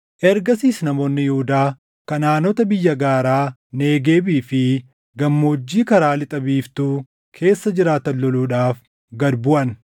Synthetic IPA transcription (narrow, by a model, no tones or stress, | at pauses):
ʔɛɾɡɐsiːsnɐmo̞ːnːɪjʊhʊd̪aː | kɐnaːnɔt̪ɐbɪjːɐɡaːɾaː | ne̞ːɡeːbiːfɪ | ɡɐmːoːd͡ʒːiːkɐɾaːlɪt̪ʼɐbiːft̪uː | kʰe̞ːsːɐd͡ʒɪɾaːt̪ɐnlɔluːᶑaːf | ɡɐd̪bʊʔɐn